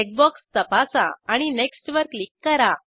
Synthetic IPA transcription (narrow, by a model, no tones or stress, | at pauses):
ek̚bɔkst̪əpasa̰aɽ̃ineksʈʋəɾklikːəɾa